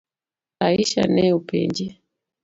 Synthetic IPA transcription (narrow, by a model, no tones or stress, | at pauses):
aiʃa̰nɛupɛ̰ɲd͡ʒɛ